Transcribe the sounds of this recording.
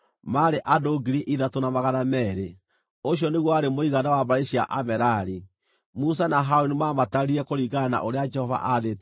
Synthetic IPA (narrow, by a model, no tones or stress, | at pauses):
maɾeʔadoɡiɾiʔiðatonamaɣanamɛːɾe | oɕ̬ijɔneɣwɔaɾemoiɣanawaβaɾeɕia̰ʔamɛɾaɾi | mus̬anaɦaonimamataɾiɛkoɾiɣana̰ʔoɾead͡ʒɛhɔva̰ʔaðet